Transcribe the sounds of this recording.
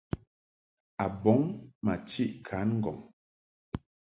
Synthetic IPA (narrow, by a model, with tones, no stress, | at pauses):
a˨bɔ˨˦ŋma˨t͡ʃi˦˨ʔkʰa˨˦nŋ̩˦ɡɔ˨ŋ